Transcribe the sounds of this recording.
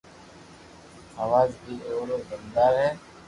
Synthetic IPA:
aːʋaːzbiːoːɾoːbənd̪aːɾɦɛː

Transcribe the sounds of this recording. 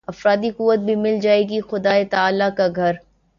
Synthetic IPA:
ɐfɾaːd̪ikuʋːət̪̚bʱimɪld͡ʒaːeːɡixʊd̪aːet̪aaːlakaɡʱɐɾ

